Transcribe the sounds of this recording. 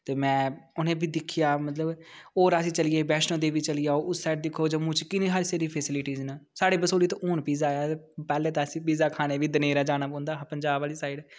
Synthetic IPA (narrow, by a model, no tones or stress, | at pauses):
t̪eːmɛ̃ːʊnẽːbiːd̪ɪkʰːɪjaːmət̪ləboːɾasĩːt͡ʃəlɪjeːbɛːʃnõːd̪eːbiːt͡ʃəliːaːoːʔʊsːɛːʈ̚d̪ɪkʰːoːd͡ʒoːmʊ̃ːt͡ʃkɪnĩːɦəɾseːɾiːpʰesɪlɪʈiːznəːsaːɽeːbəsoːliːt̪oːʔoːnpiːzaːjaːt̪eː | pɛːleːt̪aːsĩːpiːzaːkʰaːneːʋiːd̪əneːɾaːd͡ʒaːñaːpɔ̃ːnd̪aːpəɲd͡ʒaːbaːliːsaːiɖ